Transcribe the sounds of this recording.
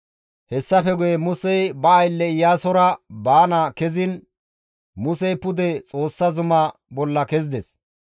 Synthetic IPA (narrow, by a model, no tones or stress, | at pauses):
hɛsːɐfɛɡʊjɛmʊsɛjbɐːjlːɛɪjːaːsɔɾɐbaːnɐkɛzɪn | mʊsɛjpʊd̪ɛt͡sʼo̞ːsːɐzʊmɐbɔlːɐkɛzɪd̪ɛs